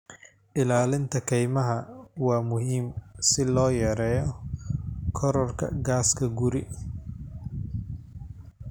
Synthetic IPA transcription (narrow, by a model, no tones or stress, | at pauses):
ʔɪlaːlɪnt̪ʰɐkʰɛjmɐɦɐwɑːmʊɦiːmsɪlɔːjɛːɾɛːjɔ | kʰɔɾɔrkʰɐ̰ɡaːskʰɐɡʊɾɪ